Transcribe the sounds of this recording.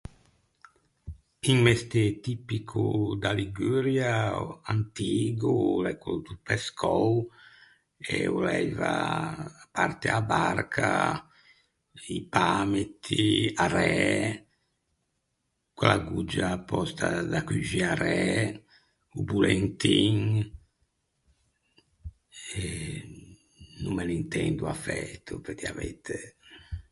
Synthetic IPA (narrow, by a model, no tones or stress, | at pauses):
iŋmɛst̪et̪ipikʰud̪aliɡyɾjaant̪iːɡulɛkud̪upɛskʰɔw | ɛulɛjva | paɾt̪eabaɾkʰa | ipaːmet̪ʰːiaɾɛ | kwalaɡud͡ʒapɔst̪ʰad̪akyd͡ʒiaɾɛ | ubulɛnt̪iŋ | ɛ | numːɛlint̪ɛnd̪uafɛt̪ʰːupɛɾkiavɛt̪ʰːɛ